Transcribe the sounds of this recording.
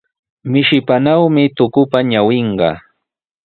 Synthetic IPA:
mɪʃɪpanawmɪt̪ʊkʊpaɲawɪɴɢɑ̰

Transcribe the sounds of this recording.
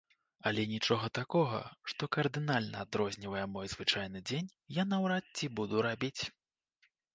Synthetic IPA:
ɐlʲɛnʲit͡ʂɔɣɐt̪akɔɣɐ̰ʂt̪ɔkɐrd̪ɨnalʲnɐad̪ɾɔzʲnʲivɐjɛmɔjzvɨt͡ʂajnɨd͡zʲenʲ | janɐwɾatːʲibud̪uɾabʲit͡sʲ

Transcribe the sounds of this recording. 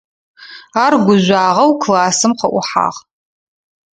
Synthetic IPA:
aːrɡʷʊʒʷaːʁɐwkʰlaːsɨmqʰɐʔʷʊħa̰ːʁ

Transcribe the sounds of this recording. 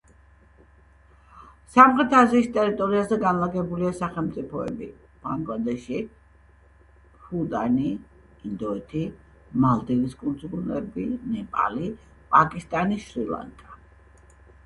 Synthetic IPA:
samχɾɛt̪ʰaziːst̪ʼɛɾit̪ʼɔɾiazɛɡanlaɡɛbuliasaχɛlˠmt̪ʼipʰɔɛ̰bḭ | b̥aŋɡlad̪ɛʃi | hud̪ani | ind̪ɔɛt̪ʰi | malˠd̪iviskʼund̪sɡunɛ̰binɛpʼa̰li | pʼakʼist̪ʼaniʃɾilˠa̰nkʼa

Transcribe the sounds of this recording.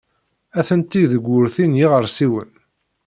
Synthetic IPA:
æθənt̪iðəɡʷːʊɾθinjiʁəɾsiwə̰n

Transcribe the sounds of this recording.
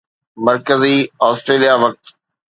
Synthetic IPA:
mɐɾkəziaːsʈɾeːlijaʋɐk̚t̪

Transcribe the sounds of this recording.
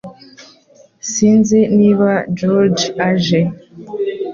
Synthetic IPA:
sinziniβad͡ʒɔɾd͡ʒaʒɛ

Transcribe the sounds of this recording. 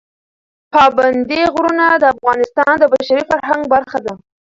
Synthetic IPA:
pɑband̪iɣɾunad̪əafɣɑnɪst̪ɑnd̪əbaʃaɾifaɾɦaŋɡ̚baɾxad̪a

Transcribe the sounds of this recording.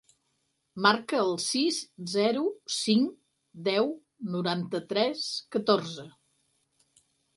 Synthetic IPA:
maɾkəːlˠsizzɛɾusiŋ | d̪ɛw | nuɾant̪ət̪ɾɛskət̪orzə

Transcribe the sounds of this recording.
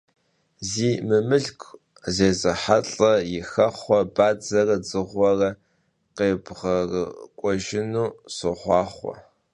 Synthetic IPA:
ziːmɨmɨɮkʷʰʼ | zeːzɐħaɬʼɐjɪxɐχʷɔbaːd͡zɐrɐd͡zɨʁʷɔrɐ | qeːbʁɐrəkʷʼɔʒɪnuːsɨχʷɑːχʷɔ̰

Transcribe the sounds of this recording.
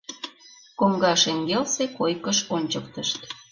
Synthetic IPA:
koŋɡɑʃeŋɡelsekojkəʃonʲt͡ɕəkt̪əʃt̪

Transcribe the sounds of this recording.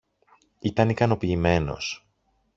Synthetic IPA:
it̪ɐnikɐno̞piːme̞no̞̰s

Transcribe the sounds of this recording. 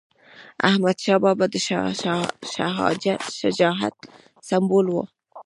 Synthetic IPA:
a̰hmad̪ʃɑːbɑbad̪əʃ | ʃa̰ɦɑ̰d͡ʒat̪ʃad͡ʒɑːɦa̰t̪̚ | sambulwo̰

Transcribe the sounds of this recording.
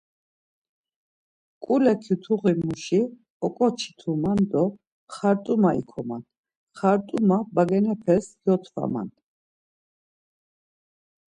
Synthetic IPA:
kʼulɛkʰjut̪ʰuʁimuʃi | ɔkʼɔt͡ʃʰi̥t̪ʰumand̪ɔ | χaɾt̪ʼumaḭkʰɔman | χaɾt̪ʼumabaɡɛnɛpʰɛsjɔt̪ʰva̰ma̰n

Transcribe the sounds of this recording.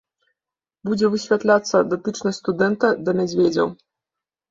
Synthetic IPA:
bud͡zʲɛvɨsʲvʲat̪lʲat̪sːɐd̪ɔt̪ɨt͡ʂnɐsʲt̪ʲst̪ud̪ɛnt̪ɐd̪ɐmʲad͡zʲvʲed͡zʲɐ̰w

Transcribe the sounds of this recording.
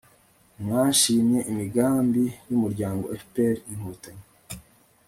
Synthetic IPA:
mŋaːʃiːmɲe̞ʔimiɡaːmbijumuɾɟaːŋɡo̞efpeɾinhoːtaɲe

